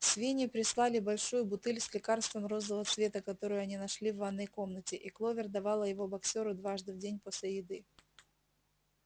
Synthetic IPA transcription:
sʲvʲenʲɪpɾʲɪslˠalʲɪbɐlʲʂujʊbʊt̪ɨlʲsʲlʲɪkarst̪vəmro̞zlˠəvət̪svʲe̞t̪əkɐt̪o̞ɾʊjʊɐnʲinɐʂlʲivːɐnːojko̞mnətʲɪʔiklˠovʲɪrd̪ɐvɑlˠəjɪvo̞bɐksʲoɾʊd̪vaʐd̪ɨvdʲenʲposʲlʲɪjɪd̪ɨ

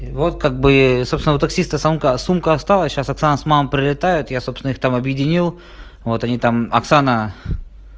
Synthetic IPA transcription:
vo̞t̪̚kaɡ̚bɨsopst̪vɪnʊt̪ɐksʲist̪əsumkəsumkəɐst̪alˠəsʲɕasɐksanəsmammpɾʲɪlʲɪt̪ajʊt̪jasopsʲɪnixt̪amɐbjɪdʲɪnʲilˠ | vo̞t̪ɐnʲit̪amɐ̰ksanə

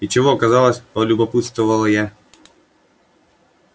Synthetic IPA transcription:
it͡ʃɛvɔːkazalˠɐsʲpɔlʲubɔput̪st̪vʊvɐlˠɐjɛ

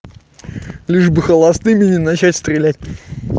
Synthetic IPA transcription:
lʲiʐbɨxəlˠɐsnɨmʲɪnʲɪnat͡ɕætʲst̪ɾʲɪlʲætʲ

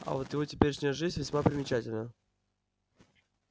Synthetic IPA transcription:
a̰vot̪jɪvotʲɪ̥pʲeɾʲɪʂnʲjəʐɨzʲvʲɪsʲmapɾʲɪmʲɪt͡ɕætʲɪlʲnəjə

